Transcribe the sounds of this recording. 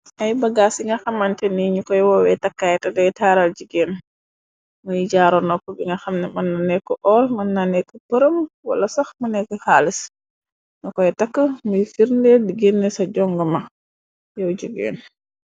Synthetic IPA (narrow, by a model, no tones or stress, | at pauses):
ʔajbaɡasiŋɡaxamːantɛniɲukɔjwɔwɛtakːajtadɔɛtaːɾald͡ʒuɡɛn | mujid͡ʒaːɾɔnɔkːɔbiŋɡaxamnɛmanːanɛkːɔʔɔlmanːanɛkːɔpəɾəmwa̰lasaxmunɛkːəhaːlis | nɔkɔjɛtakːəmujfiɾndɛdiɡenːɛsad͡ʒɔŋɡɔma | jawd͡ʒuɡɛ̰ːn